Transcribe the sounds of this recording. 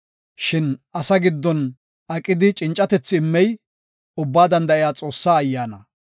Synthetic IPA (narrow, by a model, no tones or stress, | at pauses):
ʃɪnʔɐsɐɡɪd̪ːɔn | ʔɐkʼːɪd̪ɪt͡ʃʼɪnt͡ʃʼːɐt̪ɛt͡sːɪːmːɛj | ʊbːaːd̪ɐnd̪ɐɪjaːt͡sʼo̞ːsːaːɐjːaːnɐ